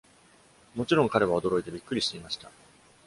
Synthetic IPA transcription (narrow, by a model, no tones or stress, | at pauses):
mo̞t͡ɕiɾõ̞ŋkaɾe̞β̞ao̞d̪o̞ɾo̞it̪e̞bʲikːɯ̟ɾʲiɕt̪eimaɕi̥t̪a